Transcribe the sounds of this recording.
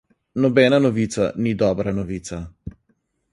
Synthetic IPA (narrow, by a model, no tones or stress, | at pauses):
nɔbɛːnanɔʋiːt̪sa̰nid̪ɔːbɾanɔʋiːt̪sa